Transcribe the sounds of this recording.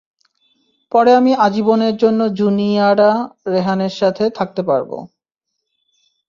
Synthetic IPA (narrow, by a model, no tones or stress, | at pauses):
pɔɾeamiʔad͡ʑiboneɾd͡ʑonːod͡ʑuniaɽaɾeɦaneɾʃat̪ʰet̪ʰak̚t̪epaɾbo̰